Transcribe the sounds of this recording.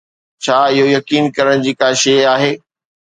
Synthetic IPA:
t͡ɕʰaːɪɦojɐkiːnkɐɾəɽ̃d͡ʑiːkaːʃeːaːɦeː

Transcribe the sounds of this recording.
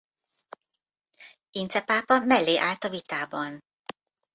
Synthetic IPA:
int̪sɛpaːpɒmɛlːeːʔaːlt̪ɒvit̪aːbɒn

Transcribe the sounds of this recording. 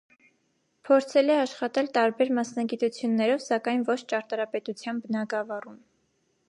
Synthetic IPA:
pʰɔɾt͡sʰɛlɛɑʃχɑt̪ɛlt̪ɑɾbɛɾmɑsnɑɡit̪ut͡sʰjunːɛɾɔvsɑkɑjnvɔt͡ʃʰt͡ʃɑɾt̪ɑɾɑpɛt̪ut͡sʰjɑnbənɑɡɑvɑrum

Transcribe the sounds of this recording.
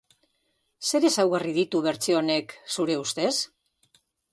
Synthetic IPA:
se̞ɾe̞sawɣarið̞it̪uβ̞e̞ɾt͡sio̞ne̞ksuɾe̞ust̪e̞s

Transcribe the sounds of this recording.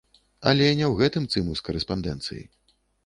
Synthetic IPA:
ɐ̰lʲɛnʲɛwɣɛt̪ɨmt̪sɨmuskɐɾɛspand̪ɛ̰nt̪sɨ̰jḭ

